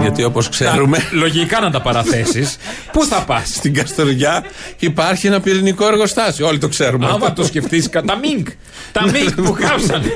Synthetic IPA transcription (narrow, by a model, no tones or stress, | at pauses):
ʝɐt̪io̞poskseɾumelo̞ʝikɐnɐnd̪ɐpɐɾɐθe̞sis | puθɐpɐsst̪iŋɡɐst̪o̞ɾʝɐipɐɾçienɐpiɾiniko̞e̞ɾɣo̞st̪ɐso̞lit̪o̞kse̞ɾumemɐt̪osceft̪iskɐt̪ɐmiŋɡ | t̪ɐnmiuɣɐpsɐn